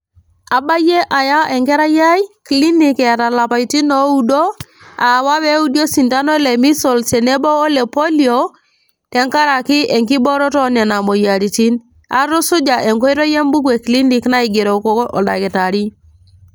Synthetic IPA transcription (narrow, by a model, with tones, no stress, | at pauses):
a˨ba˦je˦ʔa˨ja˦ʔe˨ŋɡɛ˦ɾa˦ja˦jkli˦ni˨ke˨ta˨la˨pa˨i˨ti˦no˦u˦do˦ | a˨wa˦we˦u˦di˦o˦si˨nta˦no˦le˨mi˦sɔ˨lse˨ne˦boː˦le˨po˦lio | tɛ˨˦ŋka˦ɾa˨kɪ˦e˨ŋki˦bɔ˦ɾɔ˦tɔ˦ne˨na˨mo˨ja˨ɾi˨ti˦n | a̰˦tu˦su˦d͡ʒa˨e˨ŋko˦i˦ɾo˦je˦mbu˦kwe˨kli˦ni˨kna˦i˨ɡe˨ɾo˨ko˦kʔɔ̰˨da̰˨ki˨ta˨ɾi˦